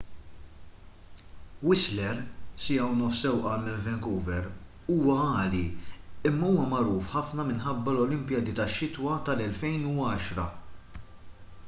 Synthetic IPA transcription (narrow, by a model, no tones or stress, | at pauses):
wɪslɛɾsɪɐwnɔfsɛwʔɐːlmɪnvɛŋkuːvɛɾ | uːwɐɐːliɪmːɐuːwɐmɐɾuːfħɐfnɐmɪnħɐbːɐlɔlɪmpjɐd̪it̪ɐʃːɪt̪wɐt̪ɐlɛlfɛjnuɐːʃɾɐ